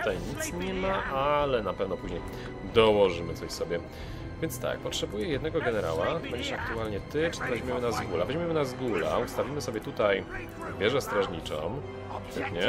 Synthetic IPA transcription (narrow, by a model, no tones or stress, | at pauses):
t̪t̪ajɲit̪sɲɛmaʔalɛnapɛvnɔpuʑɲej | d̪ɔwɔʐɘmɘt̪sɔɕsɔbʲjɛ | vʲjɛnt̪st̪a̰k̚pɔtʂɛbujɛjɛd̪nɛɡɔɡɛnɛɾa̰wabɛɲd͡ʑɛʂak̚t̪ualɲɛt̪ɘt͡ʂɨ̥alɛʑmʲimɘnazɡulavɛʑmʲimɘnazɡula̰ust̪avʲimɘsɔbʲjɛt̪ut̪aj | bʲjɛʐɛst̪ɾaʐɲit͡ʂɔ̰m | ɛtɲɛ